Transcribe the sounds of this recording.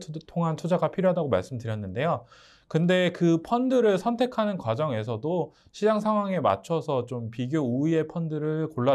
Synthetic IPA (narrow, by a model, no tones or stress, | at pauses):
tʰoŋɦant͡ɕʰod͡ʑaɡapʰiɾjoɦadaɡoma̰ɭs͈ɯmtɯɾjʌnːɯnde̞jo | kɯnde̞kɯpʰʌndɯɾɯɭsʰʌntʰe̞kʰanɯnkwad͡ʑʌŋe̞s̬ʰʌdo | ɕʰid͡ʑaŋsʰaŋwaŋe̞ma̰t͡ɕʰʌsʰʌt͡ɕompiɡjouie̞pʰʌndɯɾɯɭkoɭːa